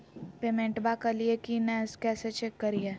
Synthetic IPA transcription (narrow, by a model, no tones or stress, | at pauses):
peːmẽɳʈbakɐliekinɛ̃skɛːset͡ʃekːɐɾieː